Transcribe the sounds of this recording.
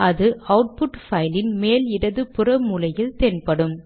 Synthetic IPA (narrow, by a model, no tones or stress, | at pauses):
ʔɐðɯɐʊʈ̚pʊʈfɐɪlɪnmeːlɪɽɐðɯpɪrɐmuːlɐjɪlt̪eːnpɐɽɯm